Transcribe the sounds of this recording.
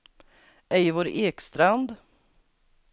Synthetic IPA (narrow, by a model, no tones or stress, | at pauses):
ɛjvoːɾʔeːkst̪ɾand̪